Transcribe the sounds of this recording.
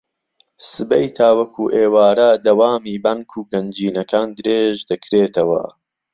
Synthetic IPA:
sɨbɐjt̪ʰaːwɐkʰuːʔeːwaːɾɐd̪ɐwaːmiːbaŋkʰuːɡɐnd͡ʒiːnɐkʰaːnd̪ɨɾeːʒd̪ɐkʰɾeːt̪ʰɐwɐ̰

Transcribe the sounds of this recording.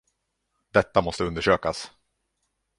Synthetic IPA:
d̪ɛt̪ːamɔst̪əɵnd̪əʂøːkas

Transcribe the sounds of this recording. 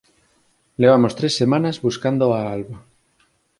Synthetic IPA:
leβ̞amost̪ɾe̞sːemãnazβuskand̪oaalβa

